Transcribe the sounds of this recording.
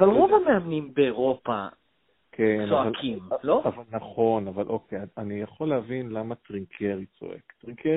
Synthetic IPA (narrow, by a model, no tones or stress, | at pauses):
avalʁovameamnimbeːʁo̞pa̰ | kʰensoavalkʰimloavalnaχo̞navalʔokʰejanijaχo̞lːehavinlamat̪ʁiŋkʰeʁit͡so̞̰ʔḛktʁiŋkʰe